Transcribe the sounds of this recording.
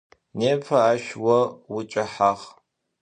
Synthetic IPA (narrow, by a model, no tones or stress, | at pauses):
neːpʰɐaːʃwɐwʊt͡ʃʼɐħaʁ